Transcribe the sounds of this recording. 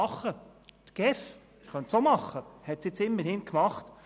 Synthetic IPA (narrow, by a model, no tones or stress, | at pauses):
ɑχːə | t̪ɡ̥ɛf | χœnt̪somɑχːəhɛtsjɪt͡sɪmːəhɪnkmɑχt